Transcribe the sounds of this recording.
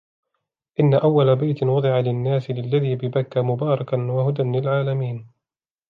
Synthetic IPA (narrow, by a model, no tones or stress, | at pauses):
ʔɪnːaʔawːalabajt̪ɪnwɑd̪ˤɨʕalɪnːaːsɪlɪlːaðiːbɪbakːaːmʊbɑːɾˤɑkanwahʊd̪anlɪlʕaːlamiːn